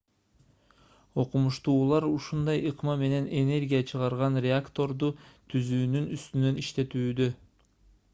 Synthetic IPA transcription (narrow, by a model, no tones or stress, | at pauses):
o̞qumuʃt̪uːlˠɑɾuʃund̪ɑjɯqmɑme̞ne̞ne̞ne̞ɾʲɡʲijat͡ʃʰɯʁɑɾʁɑnrʲeakt̪o̞ɾd̪ut̪ʰyzyːnynyst̪ynø̞niʃt̪e̞t̪yːd̪ø̞